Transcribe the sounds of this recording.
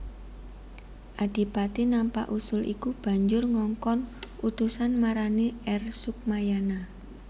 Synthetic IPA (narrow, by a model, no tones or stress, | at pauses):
ʔad̥i̤pat̪inampa̰ʔusʊlʔḭkub̥a̤ɲd͡ʒʊrŋɔŋkɔnut̪usanmaɾaneɛrsuk̚majana